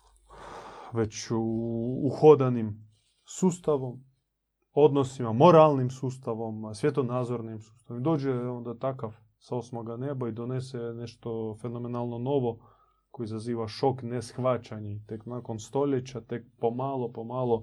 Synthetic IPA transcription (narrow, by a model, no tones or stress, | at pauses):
ʋe̞t͡ɕ | uxod̪anim | suːst̪aʋo̞m | o̞d̪nosimamo̞ɾalˠnimsuːst̪aʋo̞msʋjet̪onaːd̪zoɾnimsuːst̪aʋomd̪o̞ːd͡ʑeo̞nd̪at̪akaʋ | saosmoɡanebaid̪oneseneʃt̪ofeno̞menalˠno̞no̞ʋo̞ | ko̞jizaziːʋaʃo̞knesxʋat͡ɕaɲit̪eknakonst̪o̞ʎet͡ɕat̪e̞k̚pomaːlˠopomaːlˠo